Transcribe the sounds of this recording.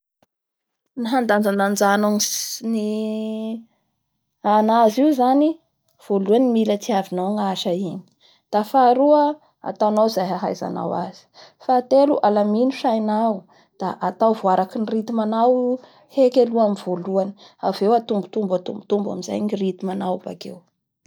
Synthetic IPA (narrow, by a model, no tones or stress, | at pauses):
niɦand̪and͡zanand͡zanoŋni | anaziuzani | v̥oluanimilat͡siavinawŋaʃaini̥ | d̪̥afaɾuə | a̰t̪awnawzajɦaɦa̰jza̰na̰wa̰z̥i̥fat̪eluʔalaminiʃajnaw | d̪̥aʔat̪awvoaɾakinirit̪imanaw | hekeluamiv̥oluani̥avewat̪umbut̪umbat̪umbut̪umba̰miza̰jnirit̪imanawba̰kḛw